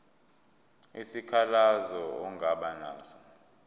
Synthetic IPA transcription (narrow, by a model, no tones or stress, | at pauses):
isikʰalazɔɔŋɡʱaɓanaːzɔ